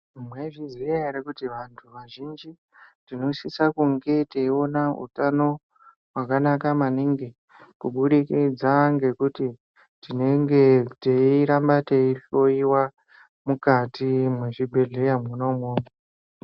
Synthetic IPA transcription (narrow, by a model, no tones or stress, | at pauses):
mweʐiziaeɾekutiʋantʰuʋaʒind͡ʒi | tino̞sisakuŋɡe̞teio̞naṵtano̞ | wakanakamaniŋɡe | kuɓuɗikid͡zaŋɡe̞kuti | tine̞ŋɡeteiɾambateioiwa | mukatimweʐibʱe̞ɮe̞jamuno̞moːmo